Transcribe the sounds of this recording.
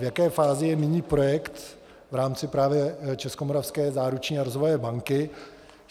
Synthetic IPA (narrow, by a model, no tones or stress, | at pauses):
vjakɛːfaːzɪjɛmɪɲiːpɾo̞jɛkt̪ | vɾaːmt͡sɪpɾaːvjɛt͡ʃɛskomoɾafskɛːzaːɾut͡ʃɲiːaɾozvojɛbaŋkɪ